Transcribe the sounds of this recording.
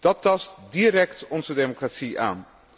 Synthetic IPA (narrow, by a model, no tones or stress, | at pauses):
d̥ɑtɑstdiəɾɛktɔnzədemokratsiʔa̰ːn